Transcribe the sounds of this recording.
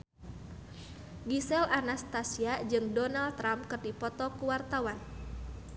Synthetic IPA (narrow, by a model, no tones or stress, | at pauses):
ɡisɛlʔanast̪asiad͡ʒɨŋdɔnaldt̪ːɾampkɨrdipɔt̪ɔkuwart̪awan